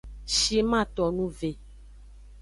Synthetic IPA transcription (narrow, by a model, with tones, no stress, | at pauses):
ʃi˨e˦mã˦˨t̪ɔ˨nũ˦ve˨